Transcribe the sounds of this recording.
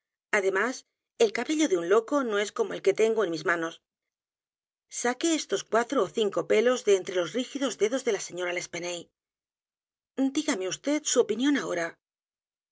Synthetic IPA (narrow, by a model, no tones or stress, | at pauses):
aðe̞mas | e̞lkaβe̞ʎo̞ðeunlo̞ko̞no̞e̞sko̞mo̞e̞lke̞t̪e̞ŋɡoe̞nmizmano̞s | sake̞est̪o̞skwat̪ɾoːθiŋko̞pe̞lo̞zðeːnt̪ɾe̞lo̞zrixiðo̞zðe̞ðo̞zðe̞lase̞ɲo̞ɾale̞spe̞nej | d̪iɣame̞ust̪e̞t̪suo̞pinjõ̞nao̞ɾa